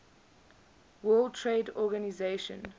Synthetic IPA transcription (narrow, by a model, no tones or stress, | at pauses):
wɜːlˠtʰɹeːdɔɡanizeʃə̰̃n